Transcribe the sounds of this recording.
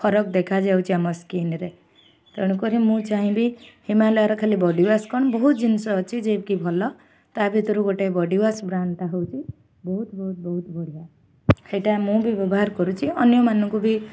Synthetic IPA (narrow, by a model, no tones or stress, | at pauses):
pʰɔɾɔk̚d̪ekʰad͡ʒawt͡ʃʰiamɔskinɾe | t̪ɔɽ̃ɔkɔɾimũt͡ʃaɦĩbihimalɔjaɾɔkʰalibɔɖiwaskɔɽ̃ɔbɔɦut̪d͡ʒinsɔːt͡ʃʰid͡ʒebkibʱɔlɔ | t̪abʱit̪ɔɾuɡoʈebɔɖiwasbɾant̪aɦowt͡ʃʰi | bɔɦut̪bɔɦut̪̚bɔɦut̪bɔɽ̤ija | seʈamũbibɔbɔɦaɾkɔɾut͡ʃʰiɔnjɔmanɔ̃ŋkubi